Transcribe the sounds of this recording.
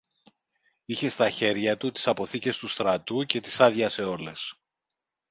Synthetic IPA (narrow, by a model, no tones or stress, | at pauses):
içe̞st̪ɐçe̞ɾʝɐt̪ut̪i̥sɐpo̞θice̞st̪ust̪ɾɐt̪uce̞t̪i̥sɐðʝɐse̞o̞le̞s